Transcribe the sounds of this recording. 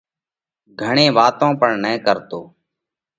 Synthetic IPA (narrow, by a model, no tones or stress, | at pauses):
ɡʱəɳẽːʋaːt̪õːpəɳnɛ̃ːkəɾt̪oː